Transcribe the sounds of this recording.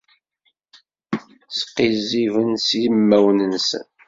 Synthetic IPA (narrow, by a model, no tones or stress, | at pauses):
sqːizivənsijmːæwnənsə̰n